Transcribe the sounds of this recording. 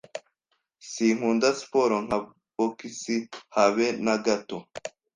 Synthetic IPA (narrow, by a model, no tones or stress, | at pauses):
siŋ̥uːndasi̥poɾoŋ̥a | bokisihaβenaɡato